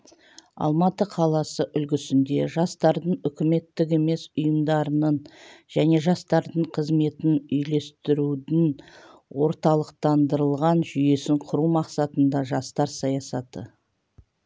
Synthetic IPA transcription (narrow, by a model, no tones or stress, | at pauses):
ɑ̰lˠmɑt̪əqʰɑlˠɑsəʔʏlɡʲɪsɪnd̪e̞ʒɑst̪ɑɾd̪əɴʏkʲɪme̞t̪ːɪk̬e̞me̞sʊjəmd̪ɑɾənəɴʒæne̞ʒɑst̪ɑɾd̪əɴqʰəzme̞t̪ɪnʏjle̞st̪ɪɾud̪ɪn | wo̞ɾt̪ɑlˠəqt̪ɑnd̪əɾəlˠʁɑnʒʏje̞sɪɴqʰʊɾuwmɑqsɑt̪ənd̪ɑʒɑst̪ɑɾsɑjɑsɑt̪ə̰